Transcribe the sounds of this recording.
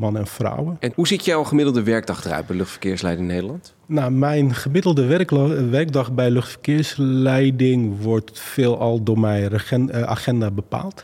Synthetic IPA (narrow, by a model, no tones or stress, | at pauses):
mɔnəɛnfra̰wəɛnɦuzitjɛχəmɪdlˠdəʋɛɹɡ̚dɑχdrœ̰t̚bɛjløχtfəɹkɪːɹslɛjdɪŋnejdəlɑnt | namɛjnχəmɪdəl̩ˠdərʋɛrɡ̚dɑxbɛjløxtfərkɪəɹslɛjdɪŋʋɔrtfeːlˠɔlˠdomɛja̰χɛndabəpa̰ːlˠt